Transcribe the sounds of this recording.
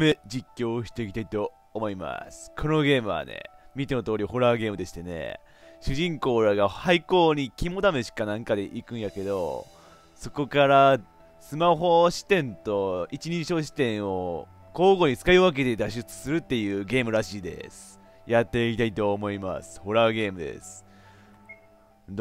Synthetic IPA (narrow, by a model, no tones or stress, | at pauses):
med͡ʑikʲːo̞ːɕi̥t̪eik̬ʲi̥t̪ait̪o̞ː | mo̞ima̰sɨ̥kʰo̞no̞ɡe̞ːmɯ̟βa̰nḛmʲit̪enot̪o̞ːɾʲiho̞ɾaːɡe̞ːmɯ̟d̪e̞ɕi̥t̪ene̞̰ | ɕɨʑĩŋko̞ːɾaɡahaiko̞ːɲ̟ikʲimo̞d̪ameɕi̥kanãŋkad̪e̞ʔikɯ̟̃ɰ̃jake̞d̪o̞̰ | so̞ko̞kaɾa | sɨmaɦo̞ɕi̥t̪ẽ̞nt̪o̞it͡ɕiɲ̟ĩɕo̞ːɕ̬i̥t̪ẽ̞ɰ̃o̞ | ko̞ːɡo̞ɲ̟it͡sɨ̥kaiɯβak̬e̞d̪e̞d̪aɕ̬ɨt͡sɨ̥sɨɾɯ̟t̪ːe̞jɯ̟ːɡe̞ːmɯ̟ɾaɕiːd̪e̞̰sɨ̥ | jat̪ːe̞kʲit̪ait̪o̞ːmo̞ima̰sɨ̥ho̞ɾaːɡe̞ːmɯ̟d̪e̞̰sɨ̥